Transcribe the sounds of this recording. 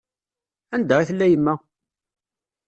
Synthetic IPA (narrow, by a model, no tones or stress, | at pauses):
ænd̪æʁiθəlːæjəmːæ